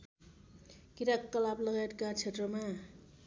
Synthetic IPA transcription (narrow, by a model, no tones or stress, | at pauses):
kiɾakkːʌlaplʌɡajet̪̚kat͡sʰet̪rʌma